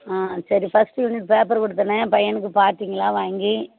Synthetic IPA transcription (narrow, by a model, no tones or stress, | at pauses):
aːsɐɾifɐsʈjunɪʈpeːpɐɾkɔɽɯt̪ːɐnɐpɐjɐnɯk̬ːɯpaːɾt̪iːŋɡɐɭaːʋaːŋɡi